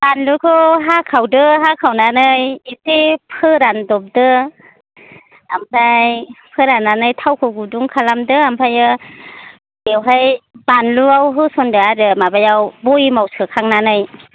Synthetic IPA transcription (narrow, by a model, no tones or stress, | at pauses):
b̥anlukʰɯɦakʰawdɯɦakʰawnanɯjisepʰɯɾandɔp̚dɯ | ampʰajpʰɯɾanːanɯjtʰawkʰɯɡuduŋkʰalamdɯampʰajɯ | ewɦajbanluawɦɯsɔndɯadɯmabajawbɔjmawsɯkʰaŋnanɯj